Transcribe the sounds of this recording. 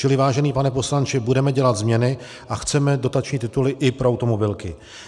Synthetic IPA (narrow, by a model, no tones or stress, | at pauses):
t͡ʃɪlɪvaːʒɛniːpanɛpo̞slant͡ʃɪbudɛmɛɟɛlat̪zmɲɛnɪ | ʔaxt͡sɛmɛdo̞t̪at͡ʃɲiːt̪ɪt̪ulɪʔɪpɾoawt̪omo̞bɪlkɪ